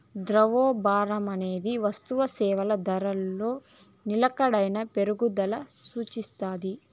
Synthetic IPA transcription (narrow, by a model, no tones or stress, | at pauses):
d̪ɾɐʋoːbaːɾɐmɐne̞ːd̪iʋɐst̪uʋɐsɛːʋɐlɐd̪ɐɾɐlːo̞ː | nilɐkɐɽɐjnɐpe̞ɾuɡud̪ɐlɐsuːt͡ʃist̪aːd̪i